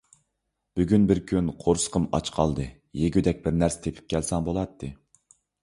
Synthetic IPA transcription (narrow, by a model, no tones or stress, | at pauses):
b̥yɡʲynbɪɾkʲʰynqʰoɾsə̥qʰəmɑ̰t͡ʃqʰɑ̰lˠd̪ɨ | jeɡʲyd̪ɛk̚ʲbɪɾnæɾsɪ̥t̪ʰepʰɪ̥p̚kʲʰɛlsɑŋbolˠɑt̪ʰːɨ